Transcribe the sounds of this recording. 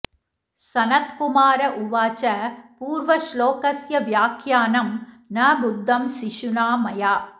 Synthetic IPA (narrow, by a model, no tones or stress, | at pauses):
sɐnɐt̪kumaːɾɐʔuʋaːt͡ʃɐpuːɾʋɐʃloːkɐsjɐʋjaːkʰjaːnɐm | nɐbud̪ʱːɐmsiʃunaːmɐjaː